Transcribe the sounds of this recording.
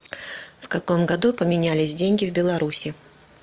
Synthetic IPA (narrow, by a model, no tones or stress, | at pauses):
fkɐko̞mɡɐd̪upəmʲɪnʲælʲɪsʲdʲenʲɡʲɪvbʲɪlˠɐɾusʲɪ